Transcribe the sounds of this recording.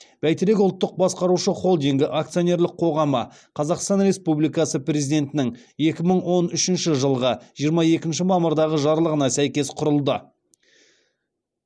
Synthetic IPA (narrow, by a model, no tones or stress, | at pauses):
b̥æjt̪ɪɾe̞k̬ʊlˠt̪ːəq̚bɑsqɑɾuʃəχo̞lˠd̪iŋɡʲɪʔak̚t̪sio̞ne̞ɾlˠɪqʰo̞ʁɑmə̰ | qʰɑzɑqst̪ɑnɾe̞spublijkɑsəprʲezid̪e̞nt̪ɪnɪŋe̞kʲɪməɴwo̞nʏʃɪnʃɪʒəlˠʁəʒijəɾmɑje̞kʲɪnʃɪmɑməɾd̪ɑʁəʒɑɾlˠəʁənɑsæjkʲe̞sqʰʊɾəlˠd̪ə